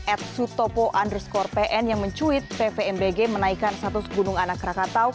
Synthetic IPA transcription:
ɛt̪̚sut̪ɔpɔʔandərskɔrpeʔɛnjaŋməɲt͡ʃuɪt̪̚pefeɛmbeɡemənaikanst̪at̪ʊsɡunʊŋanakːɾakat̪aw

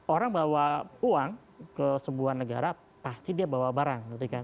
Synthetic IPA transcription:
oɾaŋbawauaŋ | kəsəbuahnəɡa̰ɾa | past̪idiabawabaɾaŋɡit̪ukan

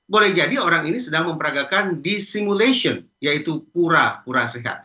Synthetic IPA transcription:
bolɛhd͡ʒadioɾaŋinisədaŋməmpəɾaɡakandisimuleʃiɔn | jait̪upuɾapuɾaseɦa̰t̪̚

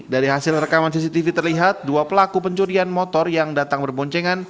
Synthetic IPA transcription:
daɾiɦasɪlrəkamans̬isit̪ifit̪ərliɦat̪̚duapəlakupəɲt͡ʃuɾianmɔt̪ɔrjaŋdat̪aŋbərbɔɲt͡ʃeŋan

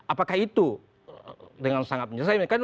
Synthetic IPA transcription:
apakahit̪u | dəŋansaŋat̪̚məɲd͡ʒasajmkan

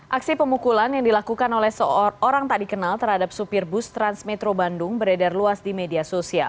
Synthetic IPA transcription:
ʔaksipəmukulanjaŋdilakukanolɛhsəoɾaŋt̪aʔdikənalt̪ərhadap̚supɪrbʊst̪ɾansmɛt̪ɾobandʊŋbəɾedɛrluasdimediasosia̰l

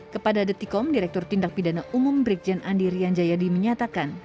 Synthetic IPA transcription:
kəpadadət̪ikɔmdiɾɛk̚t̪ʊrt̪indak̚pidanaʔumʊmbɾik̚d͡ʒanʔandiɾiaɲd͡ʒajadiməɲat̪akan

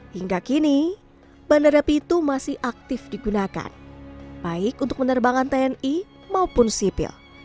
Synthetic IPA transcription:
hiŋɡakini | bandaɾapiːt̪umasɪhʔak̚t̪ɪfdiɡunaka̰nb̥aɪkunt̪ʊ̥k̚mənərbaŋant̪eɛni | maupʊnsipɪ̰l

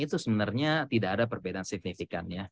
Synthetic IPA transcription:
it̪usəbənarɲat̪idaadapərbedaansɪk̚nifikanja

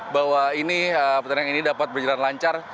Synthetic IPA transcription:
bawainiəpət̪əɾaŋinidapat̪̚bərd͡ʒalanlaɲt͡ʃar

